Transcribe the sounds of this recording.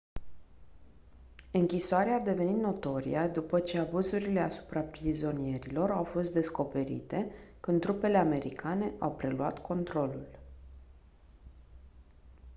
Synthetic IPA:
ɨŋkʲisoaɾead̪e̞ve̞nit̪no̞t̪o̞ɾḭad̪upət͡ʃe̞abuzuɾile̞asu̥pɾapɾizo̞nie̞ɾilo̞ɾawfo̞st̪̚d̪e̞sko̞pe̞ɾḭt̪e̞kɨnt̪ːɾupe̞le̞ame̞ɾḭkʰane̞ʔawpɾe̞lua̰t̪kʰo̞nt̪ɾo̞lul

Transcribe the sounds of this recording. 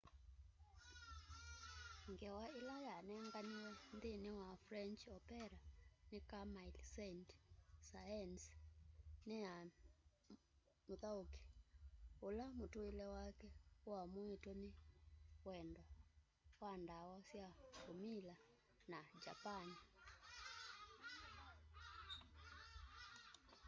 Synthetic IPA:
ŋɡɛwaelajanɛŋɡaniɔndenewafɾɛnt͡ʃɔpɛɾanekamailsɛntsajɛns | nea | moðaoki̥ | olamotoelɛwakɛamoetonewɛndɔ | wandawɔsjakomila | nad͡ʒapani

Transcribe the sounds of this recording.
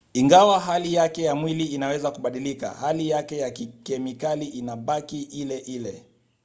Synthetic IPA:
iŋɡawaɦalijakɛjamwiliːnawɛzakuɓaɗilika̰halijakɛjakikɛmikaliʔinaɓakiʔilɛʔilɛ

